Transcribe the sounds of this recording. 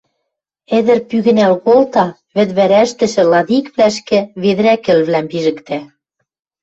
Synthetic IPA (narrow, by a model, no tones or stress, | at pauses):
ĕðɘ̆rpyɣɘ̆nælɣolt̪ɑ | βɘ̆t̪βæɾæʃt̪ɘ̆ʃɘ̆lɑðikβlæʃkɘ̆βeð̆ækɘ̆lβlæmpiʒɘ̆kt̪æ